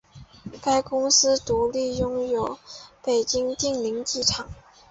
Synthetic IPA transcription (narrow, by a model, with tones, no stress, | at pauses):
ka˥ɪkʊ˥ŋsɹ̩˥t̪u˧˥li˥˩jʊ˥ŋjo˨˩ʊpe˨˩ɪt͡ɕi˥ŋt̪i˥˩ŋli˧˥ŋt͡ɕi˥˩ʈ͡ʂʰɑ˨˩˦ŋ